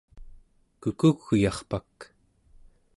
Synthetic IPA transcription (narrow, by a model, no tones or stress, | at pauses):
kukuɣːujɑχpak